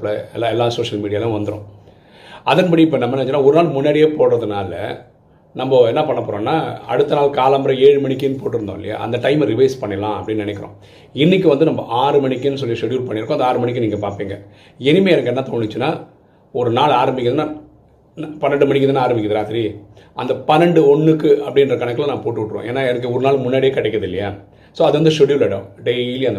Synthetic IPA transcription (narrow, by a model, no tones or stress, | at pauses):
lɐɛlːaɛlːaːsoːʂɐlmiːɽɪjaːlɐ̃ʋɐnd̪ɯɾõ̰ː | ɐðɐnpɐɽiɪpːɐnɐmbɐnːʋɛt͡ʃːɯnːaːɔɾɯnaːlmʊnːaːɽɪjeːpoːɽɾɐðɯnaːlɐ̰ | nɐmbɐɛnːɐpɐɳːɐpːoːɾõːnːaːɐ̰ɽɯt̪ːɐnaːlkaːlɐmbɾɐeːɻɯmɐɳɪkːɪnːɯpoːʈːɯɾɯnd̪õ̰ːɪlɪja̰ʔɐ̰nd̪ɐʈɐɪmɾɪʋɐɪspɐɳːɐlãːɐ̰pːɐɽɪnːnɪnɛkːɪɾõ̰ | ɪnːɪkːɯʋɐnd̪ɯnɐmbɐʔaːɾɯmɐɳɪkːɯnːɯs̬ɔlːɪiʂɛɽjuːɾpɐɳːɪɾɯkːʊ̃ɐnd̪ɐaːɾɯmɐɳɪk̬ːɯniːŋɡɐpaːɾpiːŋɡɐ | ɛnɪmeːɛnɐkːɛnːɐt̪oːɳːɪt͡ʃːɯnːaː | ɔɾɯnaːlaːɾɐmbɪkːɪðnːa | npɐnːɐɳɖɯmɐɳɪk̬ːɐðːnːaaːɾɐmbɪkːɐðɐɾaːt̪ɪɾi | ʔɐnd̪ɐpɐnɐɳɖɯɔɳːɯkːɯɐpːɐɽɪnrɐkɐɳɐkːɯlɐnãːpoːʈːɯʋɪʈːɾõ̰ːʔḛːnːaːɛnɐk̬ːɯɔɾɯnaːlmʊnːaːɽɪeːkɐʈːɛkːɾɐðɪlːɐja̰ː | soːɐðɯʋɐnd̪ɯʂɔɽjuːlɐɽɐ̰mɖeiːlɪjɐnd̪